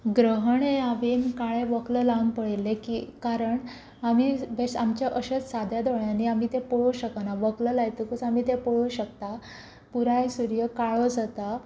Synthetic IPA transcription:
ɡɾəɦəɳeaʋenkaɭẽʋəkləlaunpəɭilːekḭːkaɾəɳ | amiːbesamt͡ɕjaʔəɕət͡ssad̪ʱjad̪oɭaniamiːt̪epəɭuɕəkanaʋəkləlajt̪əkut͡samiːt̪epəɭuɕəkt̪a | puɾajsuɾjəkaɭod͡zat̪a

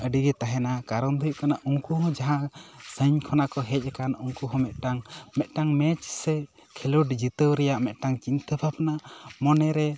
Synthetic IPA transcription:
əɖiɡɛt̪aɦɛnakaɾɔnd̪ujʔkanaʔuŋkuɦɔ̃d͡ʒaɦãsəɲkʰɔnakɔɦɛc̚ˀakanuŋkuɦɔ̃mɛt̪̚ˀʈaŋmɛt̪̚ˀʈaŋmɛt͡ʃsɛ | kʰɛluʈd͡ʒit̪əwɾɛjaʔmɛt̪̚ˀʈaŋt͡ʃint̪əbʰʱapnaʔmɔnɛɾɛ

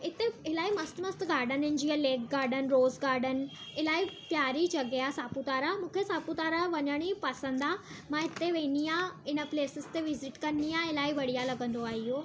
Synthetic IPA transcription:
ɪt̪eɪlaːimɐst̪mɐst̪ɡaːɾɖənɪ̃nd͡ʑiəleːkɡaːɾɖənɪ̆ɾoːzɡaːɾɖən̆ɪlaːipjaːɾit͡ɕɐɡeasaːput̪aːɾamũːkʰesaːput̪aːɾaʋɐɲəɽ̃ipɐsə̃nd̪amãɪt̪eʋẽːniãɪnəpleːsɪst̪eʋɪzɪʈkɐnːiãɪlaːiʋɐɽ̤ijalɐɡə̃nd̪oaːɦiɦoː

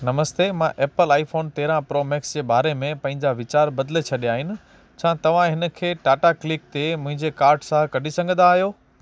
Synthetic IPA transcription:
nɐməst̪eːmãʔeːpəlaːifoːnt̪eːɾãpɾoːmeksd͡ʑeːbaːɾemẽpɐ̃ɦɪ̃ɲd͡ʑaʋɪt͡ɕaːɾbɐd̪let͡ɕʰɐɗijaːɦɪnɪ̆ | t͡ɕʰãːt̪ɐʋ̤ãɦɪnə̆kʰeːʈaːʈaklɪk̚t̪emʊ̃ɦɪ̃ɲd͡ʑekaːɾɖsãkɐɖʱisɐ̃ŋɡʱə̃nd̪aːɦjoː

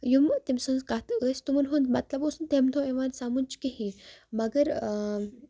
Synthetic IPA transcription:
jumt̪imsənzkat̪əst̪umənɦond̪mat̪labosunt̪ʰemt̪ʰõẽʋansamunt͡ɕkeɦĩməɡəɾ

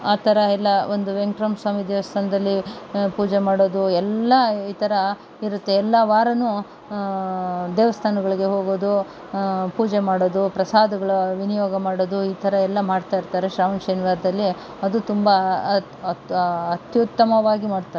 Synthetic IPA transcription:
aːt̪ʰɐɾɐɛlːɐo̞nd̪uʋeŋʈɾɐmsʋaːmid̪eːʋɐst̪ʰaːnɐd̪ɐlːipuːd͡ʒemaːɽoːd̪uɛlːɐiːt̪ʰɐɾɐ | iɾut̪ːe̞ɛlːɐʋaːɾɐnu | d̪eːʋɐst̪ʰaːnɐɡɐɭiɡe̞ɦoːɡoːd̪u | puːd͡ʒemaːɽoːd̪upɾɐsaːd̪ɐɡɐɭɐʋinijoːɡɐmaːɽoːd̪uiːt̪ʰɐɾɐɛlːɐmaːɽt̪aːiɾt̪aːɾeʃɾaːʋɐnʃɐniʋaːɾd̪ɐlːi | ɐd̪ut̪umbɐ | ɐt̪jut̪ːɐmɐʋaːɡimaːɖt̪aɾ

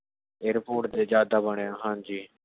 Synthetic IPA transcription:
eːɾpoːʈd̪eːd͡ʒjaːd̪aːbəɳeːãːɦãːɲd͡ʒiː

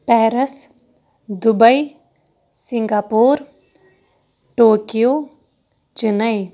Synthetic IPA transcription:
pɛːɾəs | d̪ʊbəi | sɪŋɡaːpoːɾ | ʈoːkijoː | t͡ʃɪnəi

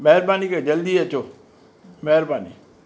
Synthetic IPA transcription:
mɛɦɾbaːniked͡ʒəld̪iət͡ʃʰoː | mɛɦɾbaːnḭ

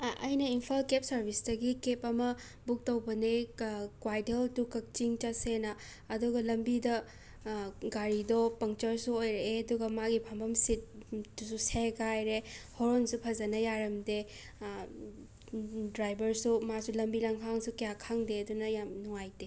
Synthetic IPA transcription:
ɐjnɐimpʰalkep̚sɐɾbʱisdɐɡikepɐmɐ | buk̚tɐwbɐnekwajteltukɐk̚t͡ʃiŋt͡ʃɐsenɐː | duɡɐlɐmbidɐ | ɡaɾidɔpɐŋt͡ʃɐɾsuojɾeeɐduɡɐmaɡipʰambɐmsit̚dususekajɾehoɾonsupʰɐzɐnɐjaɾɐmde | dɾajbɐɾsumasulɐmbilɐŋkʰaŋsukijakʰaŋdeɐdunɐjamnuŋajde

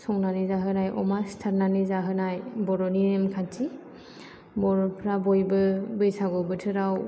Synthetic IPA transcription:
sɔŋnanizaɦɯnajʔɔ̰mastʰaɾnanizaɦɯnajbɔɾɔniɾemkʰatʰi | bɔɾɔpʰɾabɔjbɯbɯjsaɡɯbɯtʰɯɾaw

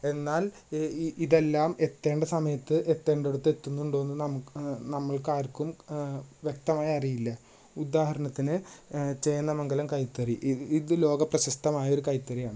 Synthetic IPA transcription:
e̞nːaːl | iðe̞lːaːme̞t̪ːe̞ːɳɖesɐmɐjɐt̪ːɨʔe̞t̪ːe̞ːɳɖe̞ɽut̪ːe̞t̪ːunːuuɳɖo̞enːɨnɐmukːnɐmːɐɭkaːɾkːumʋje̞k̚t̪ɐmaːjɐɐrijilːɐ | ud̪aːhɐɾɐɳɐt̪ːinɨt͡ɕe̞jnːɐmɐŋɡɐlɐmkɐjt̪ːɐriʔiðɨlo̞ːɡɐprɐɕɐst̪ɐmaːjɐo̞ɾukɐjt̪ːɐrijaːɳɨ

